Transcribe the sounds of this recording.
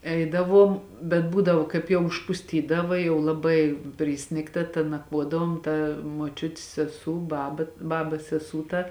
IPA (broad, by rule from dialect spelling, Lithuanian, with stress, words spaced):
ˈɛɪdɐˌʋuɔm bʲɛt ˈbuːdɐʋoː ˈkɐɪp jɛʊ ʊʃpʊsʲˈtʲiːdɐʋɐ jɛʊ lˠɐˈbɐɪ ˈpʲrʲɪsʲnʲɪktɐ tɐ nɐkˈʋuɔdɐʋoːm ˈtɐ muɔˈt͡ʃʲʊtʲɪs sʲɛˈsuː ˈbɑːbɐ ˈbɑːbɐs sʲɛˈsuː tɐ